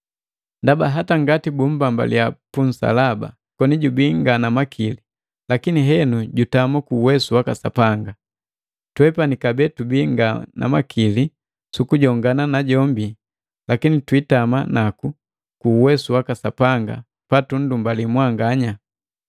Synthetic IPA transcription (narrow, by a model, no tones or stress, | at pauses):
ndabaɦataŋɡatibumbamba̰lḭjapun̩sa̰laba̰ | kɔniɟubiŋɡanamakʰili | lakiniɦɛnuɟutamakuːwɛsuwakasa̰paŋɡa | twɛpanikabɛtubiŋɡana̰makʰili | sukuɟɔŋɡananaɟɔmbi | lakinitwitamanaku | kuwɛsuwakasapaŋɡa̰ | patun̩dumbalimwaŋɡaɲa